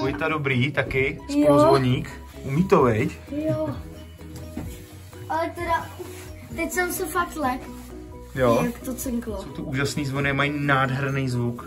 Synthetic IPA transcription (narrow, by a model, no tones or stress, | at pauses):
ojt̪adobɾiːt̪akɪskjolozvoɲiːk | umiːt̪ovɛj | jo | at̪ɛɾa | t̪esɛnsofat̪lɛk | jokt̪ot̪sɛŋklˠosowt̪oʔuːʒasniːzvonɪmajnaːdɦɛɾnejzvuk